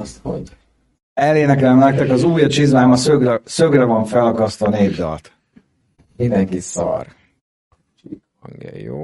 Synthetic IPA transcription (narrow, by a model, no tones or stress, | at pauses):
st̪ho̰ɟ | ɛleːnɛkɛlɛmlɛk̚t̪ɛkɒzuːjɒt͡ʃizlaːmɒsøɡrɛsøɡrɛvɒɱfɛlkɒst̪ɒneːbd̪ɒ̰lt̪ | mind̪ɛŋkisɒ̰r | t͡ʃi | ɒnḭjo̰ː